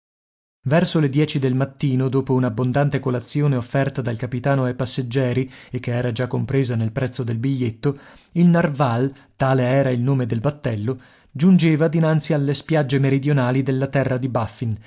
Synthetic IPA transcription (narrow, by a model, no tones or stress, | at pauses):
vɛrsoled̪jɛːt͡ʃid̪elmat̪ːiːnod̪oːpounabːond̪ant̪ekolat̪sːjoːneofːɛrt̪ad̪alkapit̪aːnoajpasːed͡ʒːɛːɾiekːeɛːɾad͡ʒakːompɾeːzanelpɾɛt̪sːod̪elbiʎːet̪ːo | ilnarval | t̪aːleɛːɾailnoːmed̪elbat̪ːɛlːo | d͡ʒund͡ʒeːvad̪inant̪sialːespjad͡ʒːemeɾid̪jonaːlid̪elːat̪ɛrːad̪ibafːin